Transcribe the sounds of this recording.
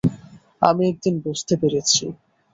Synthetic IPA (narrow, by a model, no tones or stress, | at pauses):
a̰miɛk̚d̪inbost̪ʰepeɾet͡ɕʰi